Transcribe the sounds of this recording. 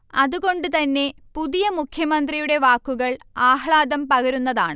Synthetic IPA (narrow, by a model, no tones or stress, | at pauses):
ɐðuɣo̞ɳɖut̪ɐnːe̞puðijɐmukʰjɐmɐnd̪rijuɽe̞ʋaːkːuɣɐɭaːhɭaːd̪ɐmpɐɣɐɾunːɐða̰ːɳɨ